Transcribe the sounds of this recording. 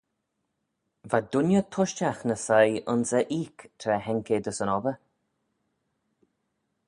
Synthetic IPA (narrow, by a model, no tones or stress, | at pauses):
vad̪ʊnjət̪ʰʊʃt͡ʃaxnəsajʊnsəʔiːkt̪ʰɾɛhɛŋkʰed̪əsənɔvə